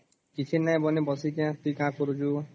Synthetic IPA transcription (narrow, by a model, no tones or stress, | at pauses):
kit͡ʃʰinːaĩbɔnebɔsikãt̪uikãːkɔɾud͡ʒu